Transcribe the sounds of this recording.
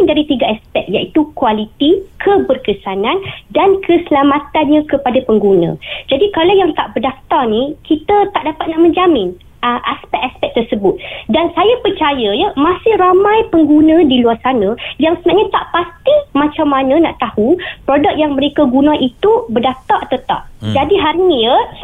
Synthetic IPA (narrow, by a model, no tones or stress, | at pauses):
ndaɾit̪iɡaaspɛk̚jaʔit̪ukualit̪ikʰəbərkəsanãndankʰəsəlamãt̪anɲãkəpadapəŋɡunã̰d͡ʒadikalawjaŋt̪aʔbərdaft̪arnikit̪ət̪aʔdapat̪̚naʔmə̃ɲd͡ʒamɪn | əʔaspɛk̚aspɛk̚t̪ərsəbʊt̪̚dansajapərt͡ʃajəjəmãsɪhramãjpəŋɡunə̃diluarsanə̃jaŋsənaɲat̪aʔpast̪imãt͡ʃamːanə̃na̰ʔt̪ahupɾodak̚jaŋməɾekaɡunãʔit̪ubərdaft̪arʔat̪awt̪a̰ʔ̚d͡ʒadiɦarniə